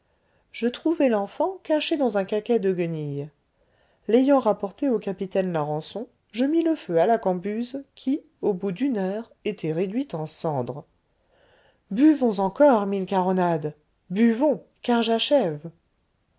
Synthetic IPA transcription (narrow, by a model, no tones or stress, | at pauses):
ʒ̥ət̪χuvɛlɑ̃fɑ̃kaʃed̪ɑ̃zɛ̃kakʲɛd̪əɡənij | lejɑ̃ʁapɔʁt̪eokapit̪ɛnlaʁɑ̃sɔ̃ | ʒəmiləføalakɑ̃byzkʲʰi | obud̪ynœʁ | et̪ʰɛʁed̪ɥit̪ɑ̃sɑ̃d̪ʁ | byvɔ̃zɑ̃kɔʁmilkaʁɔnad̪ | byvɔ̃ | kaʁʒaʃɛv